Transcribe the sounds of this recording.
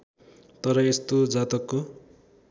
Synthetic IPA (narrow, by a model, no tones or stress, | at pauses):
t̪ʌɾʌest̪od͡zat̪ʌkːo